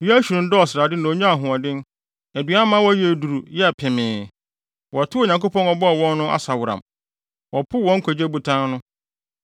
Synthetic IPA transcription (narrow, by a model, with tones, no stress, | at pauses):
ji˦æ˦ɕᶣu˨ɾʊ̃˨n̩˦dɔ˦ɔ˨sɪ˨ɾa˨dɪ˦nã˨o˨ɲᶣã˦a˨ɦʊ̃˨a˨dɪ̃˦n˦ | æ˨dɥa˦mã˦wɔ˦jɛ˦e˨du˨ɾu˨jɛ˦a˨pʰɛ˨mɪ̃ː˨ | wɔ˨tʰɪ˦o˨ɲã˨ŋko˦pɔ̃˦nɔ˨bɔ˦ɔ˨wɔ̃˦nːʊ̃˦ʔa̰˦sa˨wʊ˨ɾã̰˨m | wɔ˨pʰʊ˦wɔ̃˦ŋ̩˦kʰɔ˨d͡ʑe˦bu˨tʰã˦n˦nʊ̃˦